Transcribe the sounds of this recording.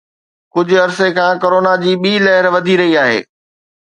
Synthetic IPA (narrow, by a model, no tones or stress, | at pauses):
kʊd͡ʑʱʊ̆ɐɾsekʰãːkoɾoːnad͡ʑiːɓiːlɐɦɪɾʋɐd̪ʱiɾɐɦiaːɦḛː